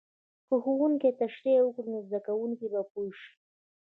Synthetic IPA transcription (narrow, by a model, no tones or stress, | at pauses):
kəxuwuŋket̪aʂɾewʊkɾunozd̪akawuŋkibapoʃi̥